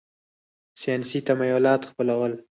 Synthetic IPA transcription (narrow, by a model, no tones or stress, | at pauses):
sjɑnsit̪amajʊlɑt̪xpəlawəl